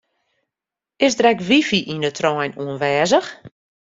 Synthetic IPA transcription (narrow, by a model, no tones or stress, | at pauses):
ɪsdrɛkʋifiʔindətʰrɔjnuənʋɛːzəx